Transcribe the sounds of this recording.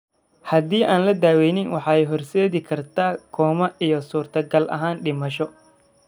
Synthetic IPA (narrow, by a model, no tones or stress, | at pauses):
hɐd̪iːʔaːnlɐd̪aːwɛjnɪnwɑħɑːɛjɦɔrsɛːðɪkʰɐrt̪ʰaːkʰɔːmɐʔijɔsuːrt̪ʰɐɡɐlʔɐ̰ɦaːnɖɪmɐʃɔ